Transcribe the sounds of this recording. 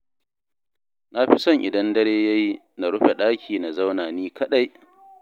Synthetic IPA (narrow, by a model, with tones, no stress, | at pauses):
na˦ɸi˦sɔ˦˨ŋʔɪ˨dɐ˦ndɐ˦ɾeː˦ja˦ji˦ | na˨ɽʊ˦ɸe˨ɗaː˦kʲiː˨na˨za˦wnaː˨niː˦kɐ˦ɗa˦j